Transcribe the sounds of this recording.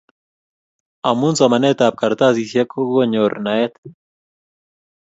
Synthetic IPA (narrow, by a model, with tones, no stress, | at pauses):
a˨munsamanɛt̪a˨p̚ka˨ɾt̪a˦sisja˦ko˦ɡo˦ɲo˨ɾna˨ɛt̪